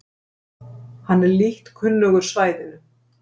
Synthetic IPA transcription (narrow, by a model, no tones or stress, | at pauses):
hanːɛɾliht̪kʰʏnlœɣʏɾ̥svaːjðɪðʏ